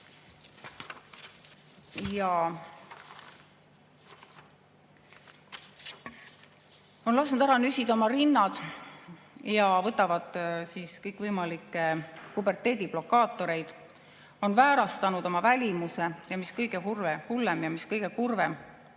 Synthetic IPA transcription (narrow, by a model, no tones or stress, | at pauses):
jɑ | o̞nlɑsnud̪æɾɑnysʲid̪o̞mɑɾinːɑd̪̥ | jɑvɤt̪ːˑɑvɑd̪̥siːskɤjkːˑvɤjmɑlikːˑekube̞rt̪ˑːe̞ːd̪̥ib̥lo̞kːˑɑːt̪ːˑo̞ɾe̞jd̪̥ | o̞nvæːɾɑst̪ɑnud̪̥o̞mɑvælʲimuse̞jɑmiskɤjɡ̥e̞ɦurvehulːemjɑmiskɤjɡ̥ekurvem